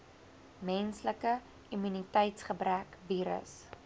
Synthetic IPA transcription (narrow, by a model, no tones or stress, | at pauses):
mɛnsləkə | imynitəjtsχəbrækviːɾə̰s